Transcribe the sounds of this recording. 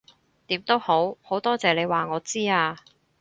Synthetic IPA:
t̪iː˨˥mt̪o˥who˨˥who˨˥wt̪ɔː˥t͡sɛː˨˩le˨˧jwaː˨ŋɔː˨˧t͡siː˥aː˧

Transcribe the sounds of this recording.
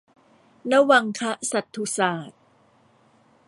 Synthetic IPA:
na˦˥wa˧ŋkʰa˦˥ʔsa˨˩t̪ʰːu˨˩saː˨˩t̪̚

